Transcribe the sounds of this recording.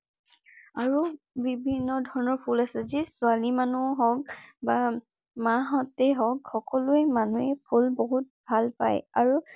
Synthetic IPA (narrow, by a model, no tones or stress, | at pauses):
aɹu | bibʱinːɔdʱɔɹɔnɔɹpʰulasɛzisʊalimanuɔɦɔkba | maɦɔtɛɦɔkxɔkɔlʊɛmanuɛpʰulboɦut̚bʱalpajaɹu